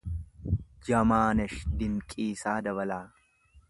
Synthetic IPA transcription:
d͡ʒɐmaːnɛʃd̪ɪŋkʼiːsaːd̪ɐβɐlaː

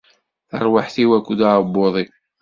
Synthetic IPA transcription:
ə̰ɾˤwaħθiwækʷːud̪aɾbːoðˤi

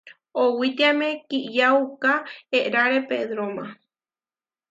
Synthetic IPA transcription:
owit̪iamẽkijaukaeɾaɾepeðɾomã

